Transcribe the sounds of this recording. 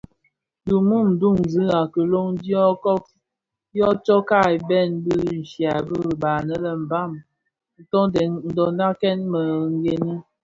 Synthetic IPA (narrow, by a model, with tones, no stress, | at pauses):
du˨mu˦˨m̩˨du˦˨ŋ˨zɨ˦a˨kə˨lo˦ŋdi˦ɔ˦kɔ˦k | jɔ˦t͡ʃɔ˦ka˦˨i˨bɛ˦˨nbi˦n̩˨ʃja˨bə˦˨baː˨nə˦lə˨m̩˨ba˦˨m | n̩˨tɔ˦dɛ˨nn̩˦dɔ˨na˦kɛ˦nmə˨ŋ˦ɡe˨ni˦